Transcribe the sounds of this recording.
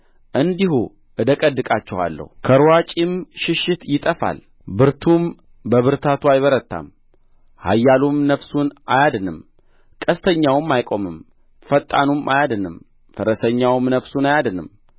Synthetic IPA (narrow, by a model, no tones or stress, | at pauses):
ʔɨnd̪ihu | ʔɨd̪əkʼəd̪ɨkʼat͡ʃːɛwa̰lːə̰hukʰəɾwat͡ʃʼimʃɪʃɪt̪jɪt̪ʼəfa̰l | bɨɾt̪ʰum | bəβɨɾt̪ʰat̪ʰuajβəɾət̪ːa̰m | ha̰jːalumnəfsunʔajad̪ɨnɨm | kʼəst̪ʰəɲːawɨmːajkʼo̞mɨm | fət̪ʼːanumʔajad̪ɨnɨm | fəɾəsəɲːawɨmnəfsunajad̪ɨnɨ̰m